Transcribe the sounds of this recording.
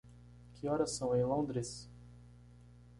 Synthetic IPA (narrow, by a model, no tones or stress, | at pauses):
kɪɔɾɐsɐ̃w̃ẽj̃lõnd̪ɾes